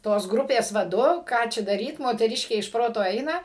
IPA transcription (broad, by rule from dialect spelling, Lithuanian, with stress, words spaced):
ˈtoːs ˈɡrʊpʲeːs ʋɐˈdʊ ˈkɑː t͡ʃʲɛ dɐˈrʲiːt moːtʲɛˈrʲɪʃʲkʲeː ɪʃ ˈproːtoː ˈɐɪnɐ